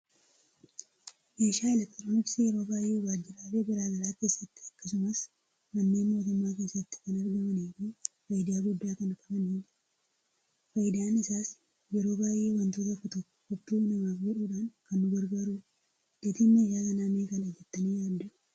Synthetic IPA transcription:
meːʃaːɪlɐt̪ːɐɾonɪfsɪjɛɾo̞ːbaːjʔeːwaːd͡ʒːɪɾaːleːbɪɾaːɡɐɾaːke̞ːsːɐt̪ːɪ̥ɐkːɐsʊmɐs | nɐnːeːnmo̞ːt̪ʊmːaːke̞ːsːɐɪt̪ːɪ̥kɐnɐɾɡɐmɐniːfiːfɐjɪd̪aːɡʊd̪ːaːkɐnkʼɐbɐniːd͡ʒɪ | fɐjd̪aːnɪsaːs | jɛɾo̞ːbaːjʔːeːwɐnt̪oːt̪̬ɐkːɔt̪ɔkːɔ̥kɔbd̪uːnɐmaɡuːᶑuːᶑaːŋkɐnːʊɡɐɾɡɐɾuː | d̪̥et̪imːɐɪʃaːkɐnaːmeːkɐnɐd͡ʒɛt̪ːɐniːjaːɪɾʊ̥

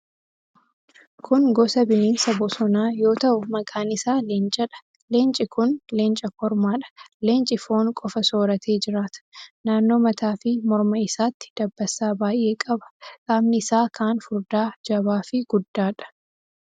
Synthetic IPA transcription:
kʰʊnɡɔsɐbɪniːnsɐbɔsɔnaːjo̞ːt̪ɐʔʊmɐkʼaːnɪsaːleːnt͡ʃʼɐᶑɐ̥ | leːnt͡ʃʼɪkʊnleːnt͡ʃʼɐkɔɾmaːᶑɐ̥leːnt͡ʃʼɪfoːŋkʼɔfɐso̞ːɾɐt̪ʰe̞ːd͡ʒɪɾaːt̪ɐ̥naːnːo̞ːmɐt̪aːfɪmɔɾmɐɪsaːt̪ːɪ̥d̪̥ɐbːɐsaːbaːjʔe̞ːkʼɐbɐ̥kʼaːmnɪɪsaːkʰaːnfʊɾd̪aːd͡ʒɐbaːfɪɡ̥ʊd̪ːaːᶑɐ̥

